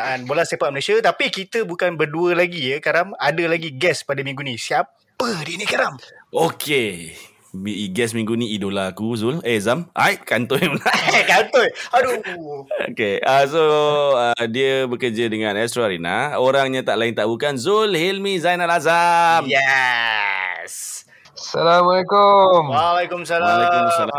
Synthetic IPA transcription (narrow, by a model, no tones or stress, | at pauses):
anbolast̪epat̪̚məlesat̪apikit̪əbukanbərduəlaɡijəkaɾaŋadəlaɡiɡɛspadəmĩŋɡunĩsiap | pədinikaɾamokʰe | miɡɛsmĩŋɡuniidolakuzulɛzama̰jʔkant̪ɔjmənakant̪ojaduo̰keasoədiəbəkəd͡ʒədəŋãnɛstɾaɾina̰oɾaŋɲãt̪aʔlaɪnt̪aʔbukanzulhilmĩzajnalazamjɛ | s | salamalekomwalekumsalasala